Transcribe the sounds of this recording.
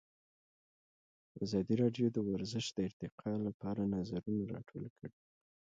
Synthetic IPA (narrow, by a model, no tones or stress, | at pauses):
azɑd̪iɾɑɖjod̪əwaɾzəʃd̪̥əɪɾt̪ɪqʰɑlapɑɾanazaɾunaɾɑ̰ʈʰo̰lkʰəɽi